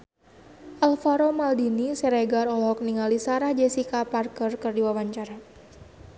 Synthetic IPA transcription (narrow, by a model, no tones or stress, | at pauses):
ʔalfaɾomaldinisɛɾeɡaɾɔlɔɦɔk̚niŋalisaɾahd͡ʒesikaparkərkɨrdiwawaɲt͡ʃaɾa